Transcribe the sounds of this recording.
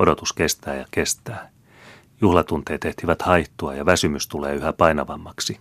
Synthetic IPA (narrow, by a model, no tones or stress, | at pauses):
odot̪uskest̪æːjɑkest̪æː | juhlɑt̪unt̪eːt̪eht̪iʋæt̪hɑiht̪oɑjɑʋæsymyst̪uleːyhæpɑinɑʋɑmːɑksi